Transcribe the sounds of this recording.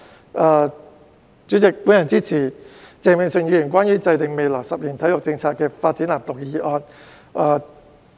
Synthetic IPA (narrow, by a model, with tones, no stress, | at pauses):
ʔaː˨˧ | t͡syː˨˥t͡sɪ˨k̚pu˨˥njɐ˨˩nt͡siː˥t͡sʰiː˨˩t͡sɛː˨˧mɪ˨˩ŋsɵ˨˧ŋjiː˧jy˨˩nkʷwaː˥njyː˨˥t͡sɐ˧jt̪ɪ˨ŋme˨jlɔː˨˩ŋsɐ˨p̚jiː˨˩nt̪ʰɐ˨˥jʊ˨k̚t͡sɪ˧ŋt͡sʰaː˧t̚kːɛː˧faː˧t̚t͡si˨˥nlaː˨˩mt̪ʊ˨k̚jiː˧ʔɔː˧n | ʔaː˧